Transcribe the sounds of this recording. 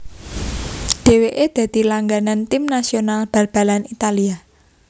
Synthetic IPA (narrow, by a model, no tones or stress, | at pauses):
d̪̥e̤weʔed̪̥ä̤d̪̥i̤laŋɡanant̪imnasionalb̥a̤rb̥a̤lanit̪alia